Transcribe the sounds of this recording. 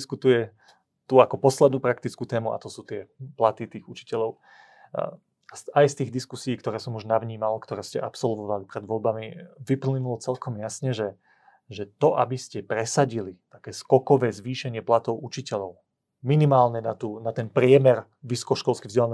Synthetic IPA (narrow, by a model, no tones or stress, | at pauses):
skut̪ujɛ | t̪uakɔpɔslɛd̪nuːpɾak̚t̪it͡skuːt̪ɛːmua̰t̪ɔsuːt̪ɪɛplat̪it̪iːɣut͡ʃi̥cɛʎɔʊ | asajst̪iːɣd̪iskusiːkt̪ɔɾɛːsɔmuʒnaʋɲiːmalkt̪ɔɾɛːscɛʔapsɔlʋɔʋalipɾɛd̪ʋɔlbamiʋiplɲinulɔt͡sɛlkɔmjasɲɛʒɛ | ʒɛt̪ɔʔabiscɛpɾɛsaɟilit̪akɛːskɔkɔʋɛːzʋiːʃɛɲɪɛplat̪ɔʊʔut͡ʃicɛʎɔʊ | minimaːlɲɛnat̪uːnat̪ɛnpɾɪɛmɛɾ | ʋisɔ̥kɔʃkɔlskivzɟɛlan